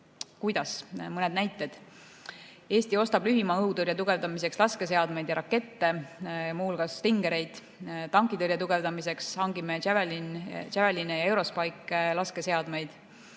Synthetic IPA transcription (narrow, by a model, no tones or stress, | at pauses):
kujd̪̥ɑsmɤned̪̥næjt̪ːˑe̞d̪̥ | e̞ːst̪io̞st̪ɑb̥lyɦimɑɤuwt̪ɤrjɑt̪uɡ̥e̞vd̪ɑmise̞kslɑske̞se̞ɑd̪me̞jd̪jɑɾɑkːˑe̞t̪ːe̞mulɡ̥ɑst̪iŋɡ̥e̞ɾe̞jd̪̥ | t̪ɑŋkˑit̪ɤɾjɑt̪uɡ̥e̞vd̪ɑmise̞ksɑŋɡimeævelint͡ʃævelinejɑe̞wɾo̞spɑjkːˑlɑskese̞ɑd̪̥mejd̪̥